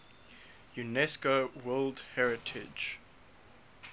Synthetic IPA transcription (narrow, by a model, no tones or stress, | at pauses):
junɛskowɜldhɛɹɪtʰɪd͡ʒ